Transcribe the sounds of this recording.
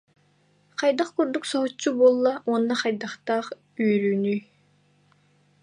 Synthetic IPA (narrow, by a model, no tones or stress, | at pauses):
qɑjd̪aχkuɾd̪uksɔɦut͡ɕːubuɔlˠːaʔuɔnːaχajd̪aχt̪aːχ | yːɾyːny